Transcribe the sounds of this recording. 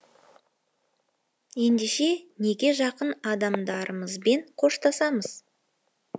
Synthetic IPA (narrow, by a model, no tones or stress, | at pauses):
je̞nd̪e̞ʃe̞ne̞ɡʲe̞ʒɑqənɑd̪ɑmd̪ɑɾəməzbe̞ɴqʰo̞ʃt̪ɑsɑməz̥